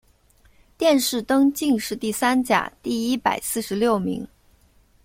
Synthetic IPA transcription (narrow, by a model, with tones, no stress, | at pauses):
t̪jɛ˥˧nʂɻ̩˥˩t̪ɤ˥ŋt͡ɕi˥˧ŋʂɻ̩˥˧t̪i˥˩sa˥nt͡ɕja̰˨˩t̪i˥˩i˥pa˨˩ɪsɹ̩˥˩ʂɻ̩˧˥ljo˥˩ʊmḭ˧˥ŋ